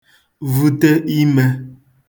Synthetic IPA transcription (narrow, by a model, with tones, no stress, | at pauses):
vu˨tə˦ʔi˦mɛ˦